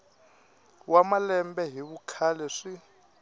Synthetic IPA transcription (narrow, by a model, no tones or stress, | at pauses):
wamalɛmbɛɦiβukʰalɛʂi